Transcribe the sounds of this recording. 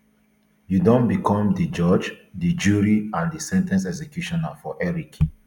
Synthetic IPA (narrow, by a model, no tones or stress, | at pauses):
judõnbikʰɔ̃mdid͡ʒɔd͡ʒdid͡ʒuɹiãndisɛ̃ntɛ̃nsɛksɛkjuʃɔ̃nafɔʔɛɹik